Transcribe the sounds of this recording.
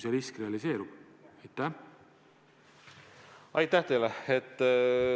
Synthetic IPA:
sjɑɾiskre̞ɑlise̞ːɾub̥ | ɑjt̪ˑːæ | ɑjt̪ːæht̪e̞jleet̪ːˑ

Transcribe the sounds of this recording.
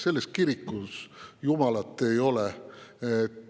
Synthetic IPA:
se̞lːest̪̚kiɾikːusjumɑlɑt̪ːˑe̞jo̞lee

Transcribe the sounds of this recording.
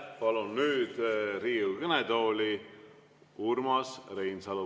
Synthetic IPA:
pɑlunːyːd̪̥riːukəned̪o̞ːlʲi | urmɑsrejnsɑlu

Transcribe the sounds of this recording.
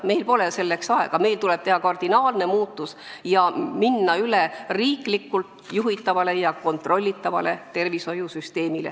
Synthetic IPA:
me̞jlpo̞lese̞lːe̞ksɑe̞̰ɡ̥ɑme̞jlt̪ule̞b̥̚t̪e̞hɑkɑrd̪̥inɑːlne̞muːt̪ːˑus | jɑminːɑyleriːklikːult̪ | juɦit̪ˑːɑvɑle̞jɑko̞nt̪ˑro̞lʲːit̪ːˑɑvɑ̰le̞t̪e̞rviso̞jusyst̪e̞ːmile̞̰

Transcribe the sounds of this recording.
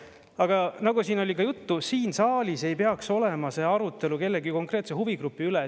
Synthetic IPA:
ɑɡ̥ɑnɑɡusiːno̞lʲikɑjut̪ːusiːnsɑːlʲise̞jpe̞ɑkso̞le̞mɑse̞ːɑɾut̪ːˑe̞luke̞lːeɡiko̞ŋkre̞ːt̪seɦuviɡ̥rupːˑiylɛ

